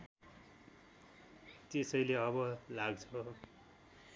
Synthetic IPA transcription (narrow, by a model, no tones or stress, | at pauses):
t̪esʌjleʌβʌlaɡt͡sʰʌ